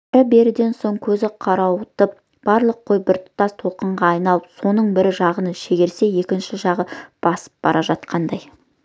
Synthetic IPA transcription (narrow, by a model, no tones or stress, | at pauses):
ɾɪbe̞ɾɪd̪e̞nso̞ɴkʲʰɵzɪqʰɑɾɑwʊt̪əp̚ | b̥ɑɾlˠəqʰːojbɪɾt̪ʰʊ̥t̪ɑst̪ʰoqəɴʁɑːjnɑlˠəpso̞nəɴbɪɾɪʒɑʁənəʃe̞ɡʲe̞ɾse̞je̞kʲɪnʃɪʒɑʁəb̥ɑsə̥p̚b̥ɑ̰ɾʔɑʒɑt̪qʰɑnd̪ɑj